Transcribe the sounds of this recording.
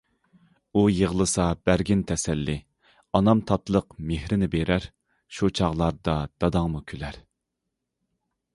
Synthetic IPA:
ujəʁəlˠɨsɑb̥æɾɡʲint̪ʰɛsɛlːɪ | ɑnɑmt̪ʰɑt̪lˠəqmehɾɪnɪbeɾæɾ | ʃut͡ʃʰɑʁlˠɑɾd̪ɑd̪̥ɑd̪ɑŋmukʲʰølæɾ

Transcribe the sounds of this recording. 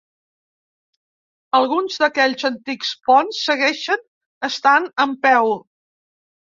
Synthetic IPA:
əlˠɣunzd̪əkɛʎʲzənt̪ikspɔnsːəɣɛʃən | əst̪anəmpɛw

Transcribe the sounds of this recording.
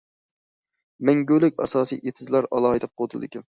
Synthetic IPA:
mɛŋɡʲølɪkʲɑ̰sɑːsḭjʔet̪ʰɪzlɑɾɑ̰lˠɑːhɨd̪ɨqʰot̪ʰɨlˠd̪ɪ̰kʲɛn

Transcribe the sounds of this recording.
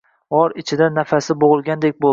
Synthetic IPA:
ɒɾɪt͡ʃʰɪd̪anafasɪboʁɨlˠɡʲand̪e̞k̚ʲbo

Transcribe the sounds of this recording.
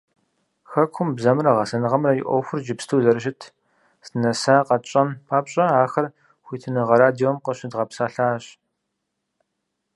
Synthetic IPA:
xɐkʷʰʊmbzɐmrɐʁɐsɐnɨʁɐmrɐjɪʔʷɔ̰wxʷʊrd͡ʒɪpstʰuːzɐɾɨʃ̬ɪtʰ | sɨnɐsaːqɐt͡ʃʼɐmpʰaːpɕʼɐaːxɐr | xʷiːtʰɨnɨʁɐɾaːdiomqəɕɪdʁɐpsaːɬaːɕ

